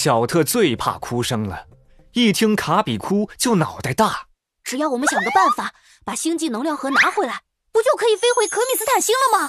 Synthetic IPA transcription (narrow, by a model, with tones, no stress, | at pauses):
ɕjɑ˨˩ʊt̪ʰɤ˥˧t͡swe˥˧ɪpʰa̰˥˩kʰu˥ʂɤ˥ŋlə˨ | i˥˩t̪ʰi˥ŋkʰa˧˥pi˨˩kʰu˥t͡ɕjo˥˩ʊnɑ˨˩ʊt͡sa˥˧ɪt̪a˥˩ | ʈ͡ʂɻ̩˨˩jɑ˥˩ʊwɔ˨˩mə˦nɕjɑ˨˩ŋɡ̪ə˦˧pa˥˩nfa˨˩˦ | pa˨˩ɕi˥ŋt͡ɕi˥˩nɤ˧˥ŋljɑ˥˩ʊxɤ˧˥na˧˥xwe˧˥˩ɪla˧˥ɪ | pu˧˥t͡ɕjo˥˩ʊkʰɤ˧˥i˨˩fe˥ɪxwe˧˥ɪkʰɤ˧˥mi˨˩sɹ̩˥t̪ʰa˨˩nɕi˥ŋlə˨mɐ˨